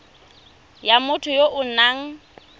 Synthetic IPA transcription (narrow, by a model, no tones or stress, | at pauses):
jamʊtʰʊjoʔʊnaːŋ̩